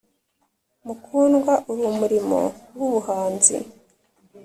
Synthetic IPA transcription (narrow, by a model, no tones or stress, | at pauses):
mukʰuːnɡwaʔuɾumuɾimo̞̰wuβuhaːnzḭ